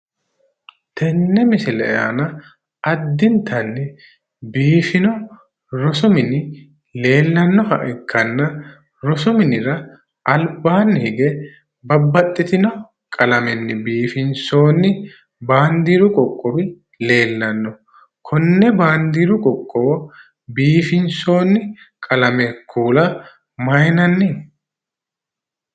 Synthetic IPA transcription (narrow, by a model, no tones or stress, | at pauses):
t̪ʰɛnːɛmɪsɪlɛ̰ja̰nɐ | ɐd̪ːɪnt̪ʰɐnːɪ | biːfɪnɔ | ɾɔsʊmɪnɪ | le̞ːlːɐnːɔhɐ̰ʔɛkʰːɐnːɐ | ɾɔsʊmɪnɪɾɐ | ʔɐlbaːnːɪhɪɡɛ | bɐbːɐt̪ʼːɪt̪ɪnɔ | kʼɐlɐmɛnːɪbiːfɪnso̞ːnːɪ | baːnd̪iːɾʊkʼɔkʼːɔbɪ | le̞ːlːɐnːɔ | kʰɔnːɛbaːnd̪iːɾʊkʼɔkʼːɔː | biːfɪnso̞ːnːɪ | kʼɐlɐmɛkʰːuːlɐ | mɐjnɐnːɪ